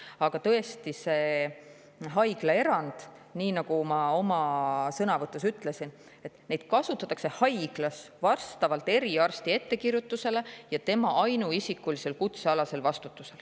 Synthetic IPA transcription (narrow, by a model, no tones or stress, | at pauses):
ɑɡ̥ɑt̪ɤ̞e̞st̪ise̞ | ɦɑjɡ̥lɑe̞ɾɑnd̪̥niːnɑɡ̥umɑo̞mɑsɤnɑvɤt̪ːˑusyt̪ˑle̞sin | e̞t̪ːˑne̞jd̪̥kɑsut̪ːˑɑt̪ːˑɑkse̞hɑjɡ̥lɑs | vɑrst̪ɑvɑlt̪ːˑe̞ɾiɑrst̪ie̞t̪ːe̞kirjut̪ːˑuse̞le̞jɑt̪e̞mɑʔɑjnuisikːulise̞lkut̪se̞ɑlɑse̞lvɑst̪ut̪ˑːuse̞l